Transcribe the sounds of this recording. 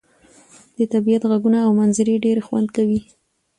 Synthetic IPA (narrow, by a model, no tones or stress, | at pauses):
d̪̥ət̪abijat̪ɣaɡunaːwmanzəɾeɖeɾxwa̰nd̪kawi